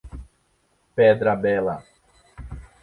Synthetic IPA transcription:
pɛd̪ɾɐbɛlɐ̰

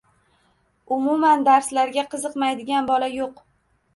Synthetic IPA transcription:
ʊmʊmand̪aɾslaɾɡʲaqʰɨzɨqmajd̪ɪɡʲanbɒlajoq

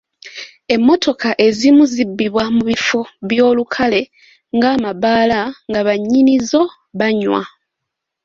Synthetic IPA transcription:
e̞mːo̞tʰo̞kaʔe̞zimuzibːiβwamuβifoβjo̞ːlukʰale̞ | ŋɡaːmaβaːlaŋɡaβaɲːinizo̞ | βaɲwa̰

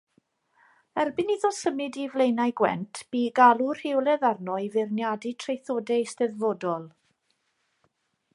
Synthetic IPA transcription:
ɛrbɪniðɔsəmɪdivlejnajɡwɛ̰ntʰb̥iːɡalˠur̥hɪwlˠɛðarnɔivɪrnjaditʰrejθoːdɛjstɛðvoːdɔlˠ

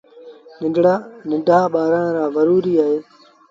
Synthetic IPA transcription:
nɪɖɽanɪ̃ɖʱaːɓaːɾəɽ̃ɾaːʋəɾuːɾiːaːɦeː

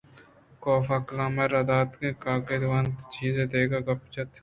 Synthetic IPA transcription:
koːfɐklãːmɐɾɐd̪aːt̪kẽːkaːked̪ʋant͡ʃiːzẽːd̪eːɡaɡɐpt͡ʃɐt̪

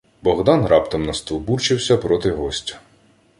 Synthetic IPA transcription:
bɔɣd̪ɑnrɑpt̪ɔmnɐst̪ɔlˠburt͡ʃɪwsʲɐpɾɔt̪ɪɦɔsʲtʲɐ̥

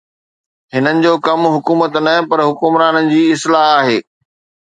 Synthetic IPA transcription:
ɦɪnənɪ̆d͡ʑoːkɐmɦʊkuːmət̪nɐpɐɾɦʊkʊmɾaːnənɪ̆d͡ʑiːɪslaːɦaːɦeː

